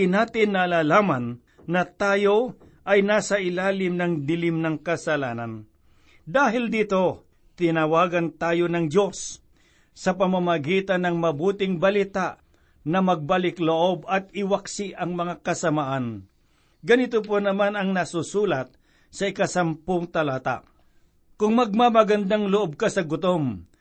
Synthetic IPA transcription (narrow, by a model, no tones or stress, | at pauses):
ɪnaːt̪ɪnːɐlaːlaːmanː | ɐt̪aːjo̞ | ʔɐjnaːsɐʔɪlaːlɪmnɐŋd̪ɪlɪmnɐŋkɐsɐlaːnɐn | d̪aːɦɪld̪iːt̪o̞ | t̪ɪnɐwaːɡɐnt̪aːjonɐŋdo̞sː | ɐpɐmamɐɡiːt̪anɐŋmɐbuːt̪ɪŋbɐlɪt̪aʔ | nɐmɐɡ̚balɪkloʔobɐt̪̚ɪwaksɪʔɐŋmɐŋakɐsɐmaʔan | ɡɐnɪt̪op̬onɐmanɐŋnɐsusuːlɐt̪̚ | sɐɪkɐsɐmpoŋt̪ɐlaːt̪a̰ | kʊŋmɐɡ̚mamɐɡɐnd̪aŋloʔob̚kasɐɡʊt̪om